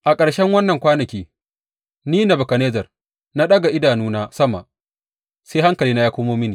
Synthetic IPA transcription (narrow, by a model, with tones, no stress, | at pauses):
ʔa˨kʼɐ˨ɽʃɛ˦ŋwɐ˦nːɐ˨ŋkʷaː˦nɐ˨kʲiː˦ | niː˦na˨bʊ˨ka˨neː˦d͡ʒɐ˨r | na˦ɗɐ˦ɡa˨ʔɪ˦daː˨nuː˦naː˦sɐ˦ma˨ʔ | seː˦ha˦ŋkɐ˨liː˦na˦jaː˦kʷʊ˦moː˦mi˦niː˨